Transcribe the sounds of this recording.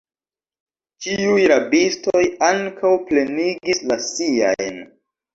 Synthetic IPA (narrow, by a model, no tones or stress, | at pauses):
t͡ʃiujɾabistojaŋkawple̞niɡislasia̰jn